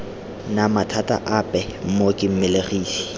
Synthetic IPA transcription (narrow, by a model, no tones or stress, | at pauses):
namatʰatʼa̰ʔapʼɛm̩mokʼɪm̩mɪleriːsi̥